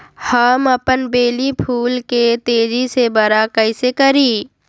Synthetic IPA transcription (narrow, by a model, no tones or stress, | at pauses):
həmɐpənbeːlipʰuːlket̪eːd͡ʒisebɐɾakəɪsekəɾiː